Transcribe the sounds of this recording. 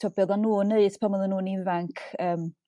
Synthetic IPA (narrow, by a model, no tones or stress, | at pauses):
ɔbɔðɔnuːnəɨspʰamɔðənːuːnivaŋkʰəːm